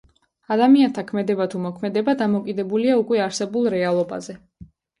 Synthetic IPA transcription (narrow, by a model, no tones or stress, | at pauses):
ad̪amiant̪ʰakʰmɛd̪ɛbat̪ʰumɔkʰmɛd̪ɛbad̪amɔkʼid̪ɛbuliaukʼwɛaɾsɛbulˠɾɛalˠɔba̰zɛ